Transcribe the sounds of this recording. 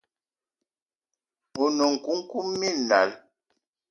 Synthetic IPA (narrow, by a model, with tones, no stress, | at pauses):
u˨nu˨ŋ̩˨ku˦ŋ̩˦ku˦mːi˦˨n̩˨da̰˨l